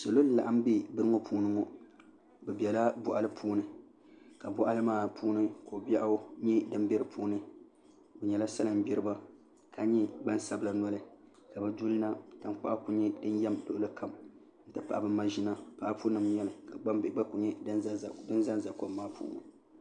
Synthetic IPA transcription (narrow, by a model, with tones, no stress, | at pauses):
so˨lo˦n˨la̰˨ʔa˦m˦bi˦bɨ˦ɾɨ˦ŋo˦puː˦nɨ˦ŋɔ˦ | bɛ˨bi˨ɛ˨la˦bʊ˨ʔa˨lɨ˦pʰuː˦nɨ˨ | ka˨bʊ˨ʔa˦lɨ˦maː˦pʰuː˦nɨ˦ko˨bi˦ɛ˦ʔa˦ɲɛ˦dɨ˦m˦bɛ˦ɾɨ˦pʰuː˦nɨ˦ | ʊ˨ɲɛ˨la˦sa˦lɨ˨m˦bɛ˦ɾɨ˦ba˦ | ka˨˦ɲɛ˦ba˦n˦sa˦bɨ˦la˦na˦lɨ˦ | ka˨bɛ˨du˦lɨ˦na˦ta˦mk͡pa̰˦ʔa˦ku˨ɲɛ˦dɨ˦njɛ˦mdʊ˦ʔʊ˦lɨ˦ka˨m | n̩˦tɨ˦pa˨ʔa˨bɨ˦m˦ma˦ʒi˦na˦pa˨ʔa˦pu˦nɨ˨m˨˦ɲɛ˦lɨ˨ka˨a˦˨ɡ͡ba˦ku˨ɲɛ˦dɨ˦n˦˨dɨ˦n˦za˦n˨za˨ko˦bmaː˦pṵː˦nɔ̰˨